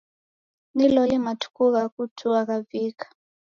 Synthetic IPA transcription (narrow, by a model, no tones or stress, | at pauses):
nilɔlimatʰu̥kuɣakutʰuakaviːkʰḁ